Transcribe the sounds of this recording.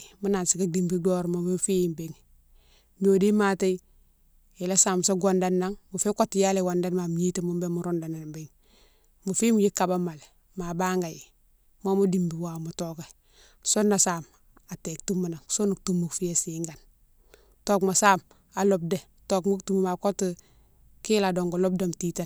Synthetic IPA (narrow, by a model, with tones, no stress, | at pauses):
mu˦na˨nsi˨ka˦di˨mbi˦do˦ɾmo˨me˦fi˦ji˨mbe˦ŋ | m˦o˨di˦ma˦te˦i | e˨la˦saː˨mso˦ɡo˨nda˨nːa˦ŋmu˨fe˦ko˦tːi˦ja˦le˨wa˨nda˦nma˨m˨ɲi˦te˨mu˦mbe˦mu˦ɾo˦nda˨na˨biŋ | mu˨fi˦m˦ji˦kːa˨ba˦ma˨le˨ | ma˨ba˦ŋɡa˨ji˨ | mo˦mu˦di˨mbi˨wa˨mu˨toka˨ | so˦nːa˨saːm | a˨te˨k̚tu˦mːa˨na˨ŋso˦nu˨k̚tu˦mːu˨kfi˦e˦siŋɡa˨n | toː˦kma˨saː˦m | a˨lo˨b̚de˨ | to˨kmu˦ktu˦muma˨ko˦t | ki˦la˨do˨ŋɡo˨lo˦b̚damti˦ta